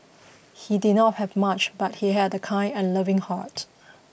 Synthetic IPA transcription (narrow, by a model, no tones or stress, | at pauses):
hididⁿnɔt̚hɛvmat͡ʃbat̚hiɦɛdəkʰãɪ̃nɛ̃nlʌvɪ̃ŋha̰t